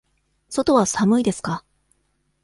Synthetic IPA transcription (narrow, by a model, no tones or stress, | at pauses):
so̞t̪o̞βasamɯ̟id̪e̞sɨ̥ka